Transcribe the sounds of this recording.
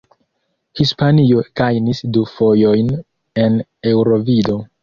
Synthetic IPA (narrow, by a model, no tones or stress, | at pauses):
hispanio̞ɡ̥ajnisdufo̞jo̞jn | e̞ne̞wɾo̞vido̞